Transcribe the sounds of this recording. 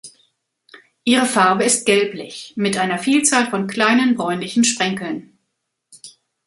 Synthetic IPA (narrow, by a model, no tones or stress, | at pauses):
ʔiːʁəfaɐbəɪst̚ɡ̥ɛlplɪçmɪtʔaɪnɐfiːlt͡saːlfɔnkʰl̥aɪnənbʁɔʏnlɪçn̩ʃpʁ̥ɛŋkl̩n